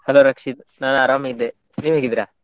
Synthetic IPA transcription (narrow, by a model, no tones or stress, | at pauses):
hɐloɾɐkʂit̪nanɐaːɾamid̪e | niːʋɦeːɡid̪ɾaː